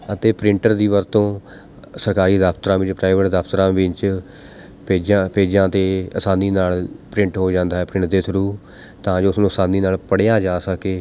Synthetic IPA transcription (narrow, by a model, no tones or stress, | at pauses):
ət̪eːpɾɪ̃ɳʈəɾd̪iːʋəɾt̪õː | səɾkaːɾiːd̪aːpʰt̪ɾãːʋɪt͡ʃpɾaːɪʋəʈd̪əːpʰt̪ɾãːʋɪt͡ʃ | peːd͡ʒãːpeːd͡ʒãːt̪eːəsaːniːnaːlpɾɪ̃ɳʈɦoːd͡ʒãːnd̪aːɛːpɾɪ̃ɳʈd̪eːsʰʊɾuː | t̪ãːd͡ʒoːʊsnũːəsaːniːnaːlpəɽjãːd͡ʒaːsəkeː